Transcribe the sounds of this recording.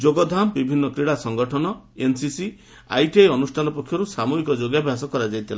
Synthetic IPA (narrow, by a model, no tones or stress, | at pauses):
d͡ʒoɡɔd̪ʱambibʱinːɔkɾiɽasɔŋɡɔʈʰɔnɔ | ensisi | a̰jʈieeɔnusʈʰanɔpɔkʰːjɔɾusamuɡikɔd͡ʒoɡjabʱjasɔkɔɾad͡ʒajt̪ʰila